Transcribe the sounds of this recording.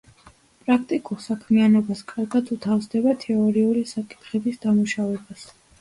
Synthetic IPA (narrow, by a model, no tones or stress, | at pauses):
pʼɾak̚ʰt̪ʼikʼuɾsakʰmianɔbaskʼaɾɡad̪ut̪ʰafsd̪ɛbat̪ʰɛɔɾiuɾisakʼi̥t̪ʰχɛbisd̪amuʃavɛbas